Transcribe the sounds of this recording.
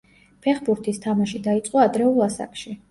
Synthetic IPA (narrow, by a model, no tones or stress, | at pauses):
pʰɛχbuɾt̪ʰist̪ʰamaʃid̪ait̪sʼqʼɔad̪ɾɛulˠasa̰kʃi